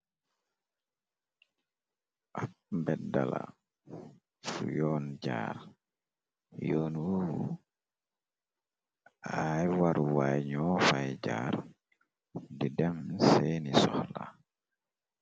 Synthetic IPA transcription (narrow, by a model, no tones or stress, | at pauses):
ʔakmbɛdala̰ | fujɔːnd͡ʒaːɾ | jɔːnwowu | ajwaɾuwajɲɔːfajd͡ʒaːɾ | didɛmsɛːnisɔhla